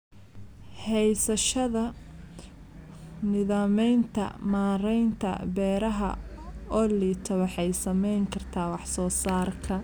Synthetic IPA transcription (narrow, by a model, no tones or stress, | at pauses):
hɛjsɐʃɐðɐ | nɪðaːmɛjnt̪ʰɐ̰maːɾɛjnt̪ʰɐ̰bɛːɾɐɦɐ̰ɔːliːt̪ʰɐwɑħɑjsɐmɛjŋkʰɐrt̪ʰaːwɑħsɔːsaːrkʰɐ